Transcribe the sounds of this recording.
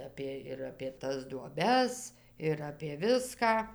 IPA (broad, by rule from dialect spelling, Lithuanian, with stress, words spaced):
ˈɑːpʲeː ɪr ɐpʲeː ˈtɐs duɔˈbʲɛs ɪr ɐpʲeː ˈʋʲɪskɑː